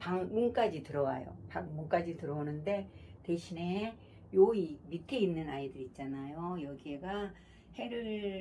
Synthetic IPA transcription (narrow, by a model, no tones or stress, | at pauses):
paŋmunk͈ad͡ʑitɯɾʌwa̰jo̰paŋmuŋk͈ad͡ʑitɯɾʌonɯnde̞te̞ɕʰine | joimitʰeinːɯnaidɯɾit̚t͡ɕ͈anajojʌɡieɡa | he̞ɾɯɭ